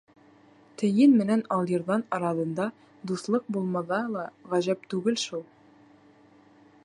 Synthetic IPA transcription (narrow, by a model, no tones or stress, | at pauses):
t̪ɘ̆jɘnmɘ̆nænɑlˠjɤ̆ɾðɑnɑɾɑðɤ̆nd̪ɑ | d̪uslˠɤq̚bulˠmɑðɑlˠɑʁæʑæpt̪ʉɡɘlʃulˠ